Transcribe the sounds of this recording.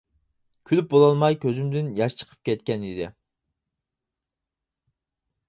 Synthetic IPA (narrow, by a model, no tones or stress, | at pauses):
kʲʰylyp̚bolˠɑlˠmɑjkʲʰøzymd̪ɪnjɑʃt͡ʃʰə̥qʰə̥p̚kʲɛt̪̚kʲɛnid̪ɪ